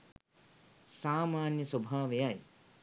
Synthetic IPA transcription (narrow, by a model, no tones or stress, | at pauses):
saːmaːnjɐsɐbʱaːʋejaj